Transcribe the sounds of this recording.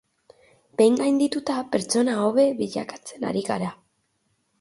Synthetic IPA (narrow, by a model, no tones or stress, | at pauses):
be̞jŋɡajnd̪it̪ut̪ape̞ɾt͡so̞naoβe̞βiʎa̰kḁt͡se̞na̰ɾiɣa̰ɾa